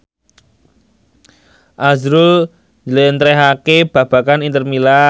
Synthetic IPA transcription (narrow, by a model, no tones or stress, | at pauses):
ʔazɾul | ɲd͡ʒəlent̪ɾɛɦakeb̥ä̤b̥ä̤kanint̪ərmila